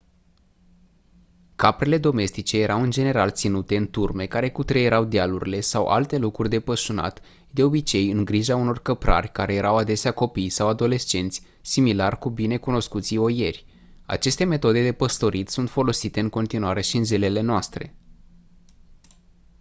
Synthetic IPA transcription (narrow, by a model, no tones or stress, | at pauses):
kapɾe̞le̞d̪o̞me̞st̪it͡ʃe̞je̞ɾʔawɨnd͡ʒe̞ne̞ɾalt̪sinut̪e̞ɨnt̪urme̞kaɾe̞kut̪ɾejeɾawd̪ialuɾʲile̞sawʔa̰lt̪e̞lukɾurʲd̪e̞pəʃuna̰t̪ | d̪e̞o̞bit͡ʃe̞jɨŋɡɾiʒauno̞rkəpɾʔa̰rʲkaɾe̞je̞ɾawad̪e̞seako̞pijsawad̪o̞le̞st͡ʃe̞nt̪sʲ | similarkubine̞kuno̞skut̪sio̞je̞rʲ | a̰t͡ʃe̞st̪e̞me̞t̪o̞d̪e̞d̪e̞pəst̪o̞ɾit̪sunt̪fo̞lo̞sit̪e̞ɨŋko̞nt̪inuwaɾe̞ʃiɨnzele̞le̞noast̪ɾe̞̰